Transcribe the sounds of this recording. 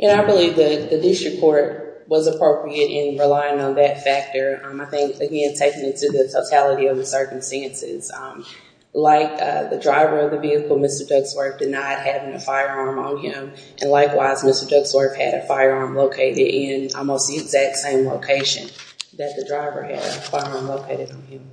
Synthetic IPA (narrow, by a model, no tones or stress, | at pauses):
ʔɨ̃naɪbəlivðɨðɨdɪstɹ̥ɨkʰːɔɹt̚ | wʌzəpʰɹ̥oʊpɹiɨɾɪ̃nɹɨlaɪɪ̃ŋə̃nðɨtfæk̚tə˞ʌ̃maɪθɪ̃ŋkɨɡɛ̃ntʰeɪkɪ̃ŋɨtʰɨðɨtʰoʊtʰælˠəɾiʌvðəsɜ˞km̩stæ̃nsɪ̰z̥ʌ̃m | laɪk̚ʌ̰ðɨdɹaɪvə˞ʌvðɨviɨkl̩ˠmɪstə˞dʌɡswɜ˞fd̥ɨdⁿnaɪt̚hævɪ̃ŋɨ̰faɪə˞ɑɹmə̃nɪ̃m | ʔɨ̃nlaɪkwaɪzmɪstə˞dʌɡswə˞fhɨ̰ɾɨfaɪə˞ɑɹmloʊkʰeɪɾɪɾʔɪ̃nɔ̰lˠmoʊst̚ðiɨɡzæk̚tsẽɪ̃mloʊkʰeɪʃɨ̰̃nðɨt̪̚ðɨdɹaɪvə̰˞ɨ̰ɾɨ̰faɪə˞ɑɹmloʊkʰeɪɾɨɾn̩ɪ̃m